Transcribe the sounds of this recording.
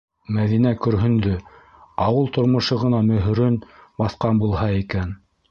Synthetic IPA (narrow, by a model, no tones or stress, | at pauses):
mæðinækɵ̆ɾɦɵ̆nd̪ɵ | ɑwɤlˠt̪ŏɾmŏʃɤʁɤ̆nɑmɵ̆ɦ̆ɾɵnbɑθqɑnbulˠhɑikæn